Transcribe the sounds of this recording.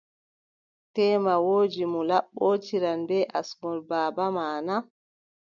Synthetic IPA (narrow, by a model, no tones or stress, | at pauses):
tɛːmawoːd͡ʒimulaɓːot͡ʃiɾanbɛʔa̰smɔlbaːbamaːna